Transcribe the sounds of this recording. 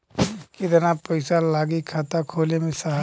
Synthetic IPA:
kid̪ənapəɪsalaːɡikʰaːt̪akʰoːlemẽsaɦ

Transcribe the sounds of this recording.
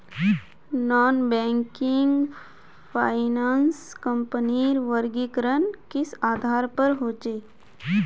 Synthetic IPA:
nɔːnbɛ̃ːŋkɪŋɡ | pʰaːɪnaːnskə̃mpəniɾʋəɾɡɪkɾənkɪsaːd̪ʱaːɾpəɾɦoːt͡ʃeː

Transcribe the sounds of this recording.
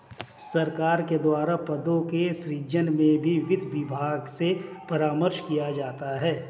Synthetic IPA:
sɐɾkaːɾked̪waːɾapɐd̪õkeʃɾiːd͡ʒənmẽbʱiʋɪd̪ʱʋɪbʱaːɡsepɐɾaːməɾʃkijad͡ʒaːt̪aɦɛː

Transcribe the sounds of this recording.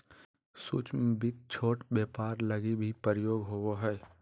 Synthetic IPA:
sṵt͡ʃmbit̪̚t͡ʃʰoːʈbjeːpaːɾləɡibʱipəɾɪjoːɡɦooɦɛː

